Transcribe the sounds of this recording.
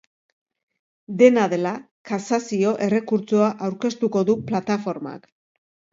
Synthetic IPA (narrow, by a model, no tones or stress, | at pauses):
d̪e̞naðe̞la | kasasio̞ʔe̞re̞kuɾt͡soaʔawɾke̞st̪uko̞ðuplat̪afo̞ɾma̰k